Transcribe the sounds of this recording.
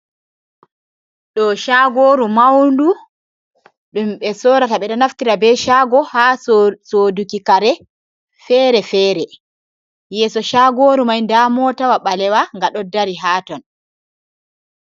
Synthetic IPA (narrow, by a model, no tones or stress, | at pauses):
ɗɔʃaɡoːɾumawndu | ɗumɓɛsɔːɾataɓɛɗɔnaftiɾabɛʃaːɡɔhasodukikaɾɛ | fɛːɾɛfɛːɾɛ | jɛːsɔʃaɡoːɾumajndamɔtawaɓalɛwaŋɡaɗɔdaɾiɦaːtɔn